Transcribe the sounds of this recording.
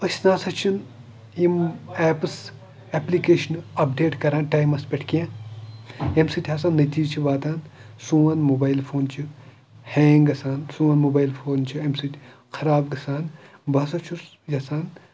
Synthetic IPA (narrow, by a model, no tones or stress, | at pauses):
ɐsʲnaːsɐt͡ʃʰun | imɛːpɨs | eplikeːʃnɐpɖeːʈkɐɾãːnʈajmɐspʲeʈʰkijãː | emsit̪ʰʲasaːnːɐt̪iːd͡ʒt͡ʃʰiʋaːt̪aːn | sũːʋaːnmobaːjlfʰoːnt͡ʃʰi | heːŋɡɐsaːnsũːaːnmobaːjlfʰoːnt͡ʃʰiemsit̪ʰʲ | xʰɐɾaːbɡɐsaːnbɐs̬ɐt͡ʃʰu | jɐsaːn